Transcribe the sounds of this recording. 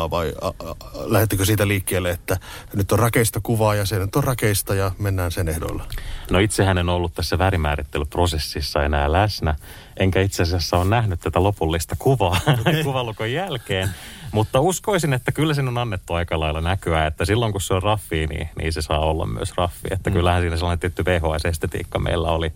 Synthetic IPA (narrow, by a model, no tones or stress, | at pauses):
ʋɑiɑlæhet̪ːikøsiːt̪æliːkːeːlːeet̪ːænyt̪ːorrɑkeist̪ɑkuʋɑːjɑsenyt̪ːorrɑkeist̪ɑjɑmenːæːnsenehdo̰lːenoit̪sehænenolːut̪t̪æsːæʋæːɾimæ̰ːɾit̪ːelyprosesːisːɑenæːlæsnæ | eŋkæit̪seɑsiæsːæoːnnæhnyt̪t̪ːæt̪ælopulːist̪ɑkuʋɑːkkuʋɑlukojjælkeːn | mut̪ːɑuskoisinet̪ːækylːæs̬inːonɑnːet̪ːuɑikɑlɑilɑnækyæːet̪ːæsilːoŋkusseorrɑfːiːnḭːnḭːsesɑːolːɑ̰mmy̰ø̰srɑfːḭet̪ːækylːæhænsiːnæselːɑːnet̪iet̪ːyʋeːɦoɑsest̪et̪ḭːkːɑmḛilːæ̰oli